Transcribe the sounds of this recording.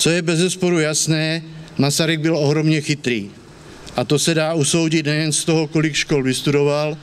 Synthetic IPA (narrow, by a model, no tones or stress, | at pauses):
t͡sojɛbɛzɛspoɾujasnɛːmasaɾiɡ̚bɪloɦɾomɲɛxɪt̪ɾiː | ʔat̪osɛdaːuso̞wɟɪt̪nɛjɛnst̪oɦokolikʃkolvɪst̪udoval